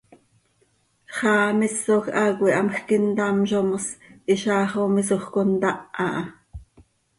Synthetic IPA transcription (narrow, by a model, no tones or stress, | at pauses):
χɑːmisːoxʔɑkwiʔɑmxkint̪ɑmʃomsʔiʃɑːχomisoχkont̪ɑʔɑʔɑ